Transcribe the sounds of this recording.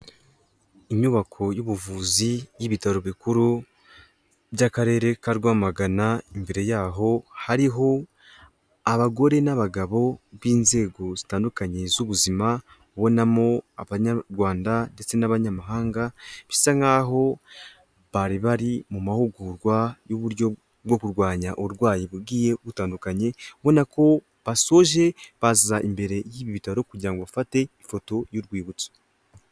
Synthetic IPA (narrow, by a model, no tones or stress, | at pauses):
iɲuβakʰo̞juβuvuːzijiβitaɾoβikuɾu | bjakaɾe̞ːɾe̞kaɾɡwaːmaɡanaimbe̞ɾe̞jaːɦo̞haɾiɦo̞ | aβaɡo̞ɾe̞naβaɡaβo̞βiːnze̞ːɡo̞zitaːndukaɲe̞zuβuzima | uβo̞namo̞aβaɲaɾɡwaːndande̞t͡se̞naβaɲamaɦaːŋɡaβisaŋɡaɦo̞ | βaɾiβaɾimumahuɡuɾɡwajoβuɾjo̞ | wo̞kuɾɡwaːɲaʔoɾwaːjeβuɡiːje̞βutaːndukaɲe̞βo̞nako̞ | βaso̞ʒe̞βazizaʔimbe̞ɾe̞jiːβiβitaɾo̞kuɟiɾaŋɡoβafate̞ifo̞to̞juɾɡwiːβut͡so̥